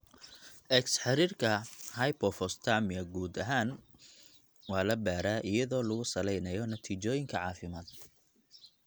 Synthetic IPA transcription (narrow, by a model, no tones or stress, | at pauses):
ʔɛksħɑɾiːrkʰɐhɐjpʰɔfɔst̪ʰamɪɐɡuːd̪ɐɦaːn | wɑːlɐbaːɾaːʔɪjɐðɔːlɐɣʊsɐlɛjnɐjɔnɐt̪ʰiːt͡ʃɔːjɪŋkʰɐʕɑːfɪmaːd̪